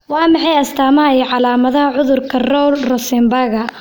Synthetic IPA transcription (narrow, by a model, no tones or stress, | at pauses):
wɑːmɑħɑjɐst̪ʰaːmɐɛjʕɑlaːmɐðɐɦɐʕʊðʊrkʰɐrɔlrɔsɪmbaːɣɐ